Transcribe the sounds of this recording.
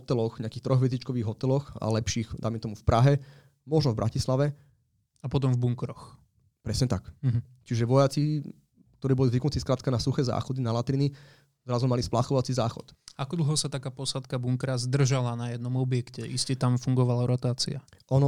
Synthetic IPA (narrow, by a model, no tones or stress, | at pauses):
ɔt̪ɛlɔxɲɪakiːxt̪ɾɔɣʋɛzit͡ʃkɔʋiːɣɦɔt̪ɛlɔxa̰lɛpʃiːxd̪a̰ɪmɛt̪ɔmufpɾʔaɦɛ | mɔʒnɔvbɾʔa̰cislaʋɛ | apɔt̪ɔmvbuŋkɾɔx | pɾɛsɲɛt̪ak | t͡ʃiʒɛʋɔjat͡si | k̚t̪ɔɾiːbɔlizʋiknut͡siskɾaːt̪kanasuxɛːza̰ːxɔd̪inalat̪ɾini | zɾazumalisplaxɔʋat͡sizaːxɔ̰t̪akɔd̪l̩ˠɦɔsat̪akaːpɔsat̪kabuŋkɾazd̪r̩ʒalanajɛd̪̚nɔmɔbjɛkcɛʔiscɛt̪amfuŋɡɔʋalaɾɔt̪aːt͡sḭaʔɔnɔ